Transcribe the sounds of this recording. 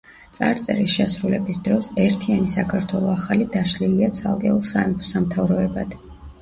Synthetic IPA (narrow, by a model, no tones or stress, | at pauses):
t̪sʼa̰ɾt̪sʼɛ̰ɾisʃɛsɾulɛbisd̪ɾɔsɛɾt̪ʰianisakʰaɾt̪ʰwɛlˠɔaχalid̪aʃliliat̪sʰa̰lˠkʼɛulˠsaɛmpʰɔ̥samt̪ʰavɾɔɛbad̪̥